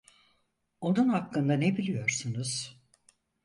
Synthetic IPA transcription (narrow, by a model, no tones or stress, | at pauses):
o̞nunhakːɯnd̪anebilʲijo̞ɾsunuz̥